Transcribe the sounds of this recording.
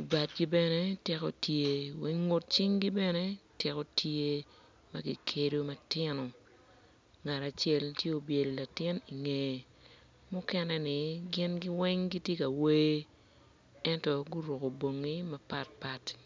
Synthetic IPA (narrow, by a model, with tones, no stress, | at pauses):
ba˨tɡi˦bɛ˦nɛ˦tɪ˦ko˦tje˦wɛ˦ŋːʊ˦t̚t͡ʃɪ˦ŋɡi˦bɛ˦nɛ˦tɪ˦ko˦tʰje˦ | ma˦ɡḭ˨kʰe˦do˦mɐ˨tɪ˦nɔ˨ | ŋa˨ɾa˨t͡ʃjɛ˦ltje˦o˨bje˨lla˨tɪ˦ni˨ŋe˨ | mʊ˦kɛ˦nɛ˦nɪ˨ɡɪ˦nɡɪ˦wɛ˦ŋɡi˦tje˦ka˨we˦ | ɛ˦ntɔ˦ɡu˦ɾʊ˨ko˨bo˨ŋːi˦mɐ˦pa˦t̚pa˦t